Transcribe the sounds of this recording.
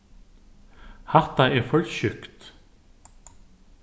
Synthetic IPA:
hat̪aɛɾfœlɕʏkt̪

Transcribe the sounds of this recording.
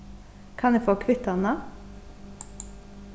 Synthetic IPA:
kʰɑnɛːfɔːkʰʋɪt̪ɑnə

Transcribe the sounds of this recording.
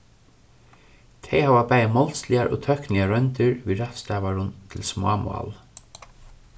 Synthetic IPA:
t̪ʰɛjhavapajmɔlslɪaɾʔɔ̰t̪ʰœhknɪaɾœnt̪ɪɾviɾaht̪st̪aːvaɾʊnt̪ʰɪlsmʊam̰a̰l

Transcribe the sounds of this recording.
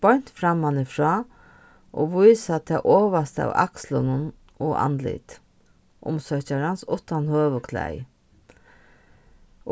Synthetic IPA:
pɔɲ̥t̪fɾamːanɪfɾɔː | ʔoʋujsat̪ʰɑːʔɔːʋast̪əa̰ʋa̰kslʊnʊn | ɔʔa̰nlɪ̰t̪ | ʔʊ̰msœht͡ɕaɾansʊht̪anhøːʋəkʰlæ̰j

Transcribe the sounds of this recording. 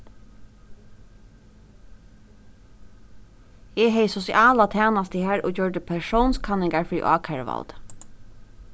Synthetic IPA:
eːɦɛɪsɔsɪʔɑːlat̪ʰæːnɑst̪əhæːɹʔo̰ːçɔːɖəpʰæʃuːnskʰɑnɪŋɡaɹfɹḭːʔɑ̰ːkʰæɹʋɑ̰ld̪̥

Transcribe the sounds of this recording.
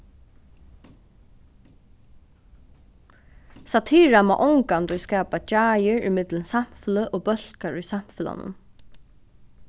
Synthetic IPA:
sat̪ʰiːɹamaʔɔŋkant̪ujskɛːpat͡ʃaːjɪɹʏ̰mɪt̪lənsam̥fɪləʔɔːbœl̥kaɹṵjsam̥fɪla̰nʊ̰n

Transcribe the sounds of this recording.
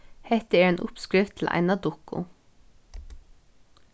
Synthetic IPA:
hɛt̪əæːɹeːnʔʊpskɹɪʋt̪ʰl̩ʔæ̰ɪnɑd̪ʊkʊ̰

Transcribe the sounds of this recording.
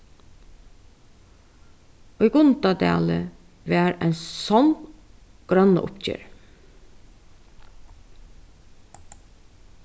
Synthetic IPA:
oiːɡʊnt̪ɑd̪ḛːlə | ʋæːɾæɪnsɔn | ɡ̥ɾɑnə̰ʔʊ̰pc͡çø̰ːɾ

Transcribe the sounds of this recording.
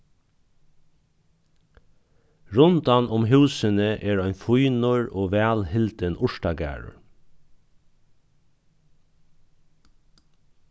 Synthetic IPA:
ɹʊnt̪ɑnʔʊmɦʉːsənəʔeːɹæɪnfʊʏnʊɹoːʋæːlhɪlt̪ənʊʃʈɑɡæ̰ːɹʊ̰ɹ

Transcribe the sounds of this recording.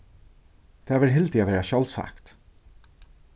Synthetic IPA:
d̪̥eːʋɪɾɦɪlt̪ʰiːʋæːɾæʃɑlsæ̰kt̪

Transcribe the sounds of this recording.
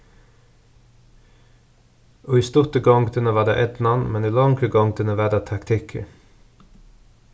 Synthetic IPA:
oːiːst̪ʊt̪əɡɔŋɡd̪ɪnəʋɑːd̪ḛːʔɛd̪nɑnmɛniːlɑŋɡɾəɡɔŋɡd̪ɪnəʋɑːd̪ɑːt̪ʰɑkt̪ʰɪkʰə̰

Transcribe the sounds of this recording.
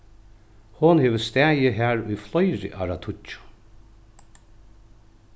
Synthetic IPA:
hʊnheːʋəst̪æːjəɦæːɹʊjflɔjɹɪ̰ʔa̰ɾat̪ʰʊt͡ʃʊ̥

